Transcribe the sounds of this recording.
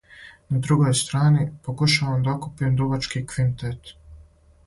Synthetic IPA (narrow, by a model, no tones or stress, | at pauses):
nad̪ɾuɡojst̪ɾaːnipokuʃaʋamd̪aokupiemd̪ubat͡ʃkikʋint̪et̪